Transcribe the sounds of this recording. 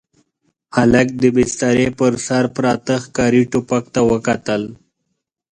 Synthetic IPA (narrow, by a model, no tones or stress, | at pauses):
halak̚d̪əbɪst̪aɾepəɾsaɾpɾɑt̪əxkɑɾiʈupak̚t̪awəkat̪əl